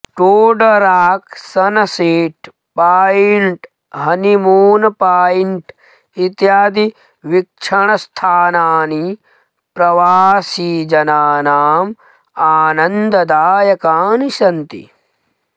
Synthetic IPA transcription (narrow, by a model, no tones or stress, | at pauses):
ʈoːɖɐɾaːksɐnɐseːʈ | paːjiɳʈ | ɦɐnimuːnɐpaːjiɳʈ | it̪jaːd̪i | ʋik̚ʂʰɐɳɐst̪ʰaːnaːni | pɾɐʋaːsiːd͡ʒɐnaːnaːm | aːnɐnd̪ɐd̪aːjɐkaːniʃɐnt̪ḭ